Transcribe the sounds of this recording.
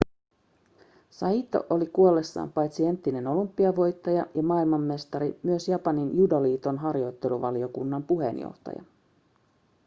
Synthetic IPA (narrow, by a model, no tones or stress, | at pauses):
sɑiːt̪o̞̰ʔolikuolːe̞sːɑ̰ːmpɑjt̪sie̞nt̪ːine̞no̞lumpːiɑʋo̞jt̪ːɑjɑjɑmɑːilmɑmːe̞st̪ɑɾimyøsjɑpɑninjudɑliːt̪o̞nɦɑrjo̞jt̪ːe̞luʋɑlio̞kunːɑmpuɦe̞̰njo̰ht̪ɑ̰jɑ̰